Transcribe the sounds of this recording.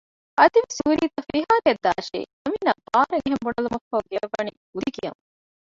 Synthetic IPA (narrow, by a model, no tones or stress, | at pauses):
ʔɐd̪iʋesuːɾiːt̪ɐfiɦaːɾɐd̪ːa̰ːʃḭːɐminːɐbaːɾɐŋiɦembuɳɐlumɐfːɐuɡeʋːɐni | ud̪iɡijɐm